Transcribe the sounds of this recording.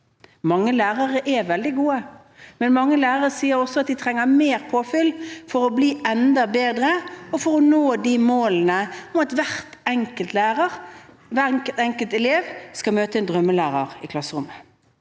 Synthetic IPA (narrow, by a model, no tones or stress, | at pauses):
mɑŋːəlæːʁəʁəʔɛʋɛld̪ɪɡuːə | mɛnmɑŋːəlæːɾəʁəsiːəɾɔsɔɑt̪̚d̪ɪt̪ʰʁɛŋːəmeːʁpʰoːfʏlfɔʁɔbliːɛnd̪ɑbeːd̪ʁəɔfɔʁɔnoːd̪imoːlnəɔmɑt̪ʋæʁt̪ɛŋkəlt̪læːʁəʁ | ʋæt̪ɛŋkəlt̪ɛleːʋskɑmøːt̪əɛnd̪ʁœmːəlæːʁɑʁɪkʰlɑsəʁʊmːə